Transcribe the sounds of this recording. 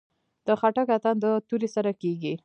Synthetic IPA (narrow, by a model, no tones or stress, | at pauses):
d̪̥əxaʈakat̪and̪ət̪uɾesaɾakeɡi